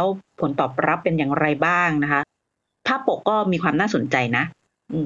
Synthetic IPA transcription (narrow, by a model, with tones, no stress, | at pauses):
wpʰo˩˦nt̪ɔː˨˩p̚ɾa˦˥pːe˧njaː˨˩ŋɾa˧jbaː˥˩ŋna˦˥kʰa˦˥ | t̪ʰaː˥˩po˨˩kːɔː˥˩miː˧kʰwaː˧mnaː˥˩so˨˩˦nt͡ɕa˧jna˦˥ʔ | ʔɯː˧